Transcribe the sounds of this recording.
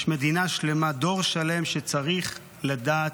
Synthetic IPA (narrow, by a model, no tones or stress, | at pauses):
ʃme̞d̪inaʃle̞mad̪o̞ʁʃale̞mʃet͡saʁiχ | ladaː